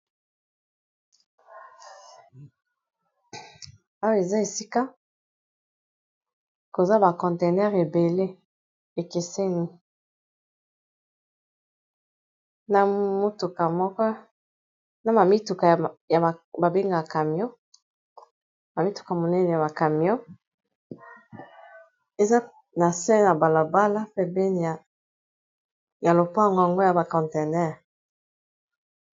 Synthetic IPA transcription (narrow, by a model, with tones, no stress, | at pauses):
a˦we˨za˦e˨si˦ka˦ | ko˨za˦ba˨kɔ̃˨nte˨nɛ˦ʁe˨be˨le˦ | e˨ke˨se˦ni˦ | na˦mo˦tu˨ka˨mɔ˦kɔ˦ | na˨ma˨mi˦tu˨ka˨ja˨a˨ba˨be˦ŋɡa˨ka˨mjɔ˦ | ma˨mi˦tu̥˨ka˨mo˨nɛ˦nɛ˨ja˨ba˨ka˨mjɔ˦ | e˨za˦ | na˨sɛ˦na˨ba˨la˨ba˦la˦pɛ˦be˦n˨ | ja˨lo˨pa˦˨ŋɡwa˨ŋɡo˦ja˨ba˨kɔ̃˨nte˨nɛ˦˨ʁ